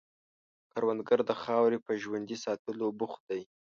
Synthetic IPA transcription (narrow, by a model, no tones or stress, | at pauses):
kaɾwand̪ɡaɾd̪əxɑwɾepəʒwand̪isɑt̪əlobʊx̚d̪aj